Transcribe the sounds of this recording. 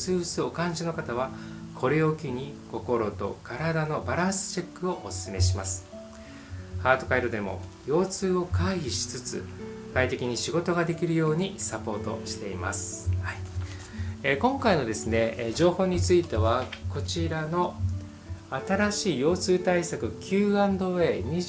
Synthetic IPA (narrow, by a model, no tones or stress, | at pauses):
sɨːɯsɨo̞kãɲ̟d͡ʑino̞kat̪aβ̞akʰo̞ɾeo̞kʲiɲ̟iko̞ko̞ɾo̞t̪o̞̰kaɾad̪ano̞baɾãsɨ̥t͡ɕe̞kːɯ̟o̞ʔːsɨ̥sɨme̞ɕimasɨ̥ | haːt̪o̞kaiɾɯd̪e̞mo̞̰ | jo̞ːt͡sɨːo̞kaiçʲiɕi̥t͡sɨt͡sɨ̰kait̪e̞kʲiɲ̟iɕiɡo̞t̪o̞ɡad̪e̞kʲiɾɯ̟jo̞ːɲ̟isapo̞ːt̪o̞̰ɕi̥t̪e̞ima̰sɨ̥hai | ekõ̞ŋkaino̞d̪e̞sɨne̞ʑo̞ːho̞ːɲ̟it͡sɨit̪e̞βako̞t͡ɕiɾano̞ | at̪aɾaɕiːjo̞ːt͡sɨːt̪aisakɯ̟kʲɨːãnd̪o̞βe̞ːɲ̟i